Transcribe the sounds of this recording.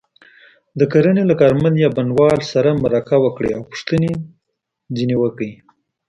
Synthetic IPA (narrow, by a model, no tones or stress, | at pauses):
d̪əkaɾənelakɑɾmand̪jɑbanwɑlsaɾamaɾakawəkɽeawpʊ̥ʂt̪əne | d͡zinewəkai